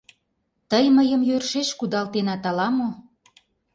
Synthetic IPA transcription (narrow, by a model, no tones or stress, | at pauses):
t̪əjməjəmjørʃeʃkud̪ɑlt̪enɑt̪ɑlɑmo